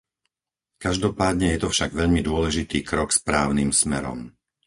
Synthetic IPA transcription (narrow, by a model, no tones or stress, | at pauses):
kaʒd̪ɔpaːd̪ɲɛjɛt̪ɔfʃaɡʋɛʎmid̪ʊɔlɛʒit̪iːkɾɔkspɾaːʊniːmsmɛɾɔ̰m